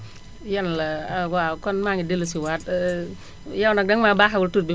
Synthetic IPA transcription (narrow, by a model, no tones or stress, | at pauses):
jɛnlɐwakɔnmaŋidelusiwat̚ | jawnɐk̚dɐŋmabaɦawʊltut̚bi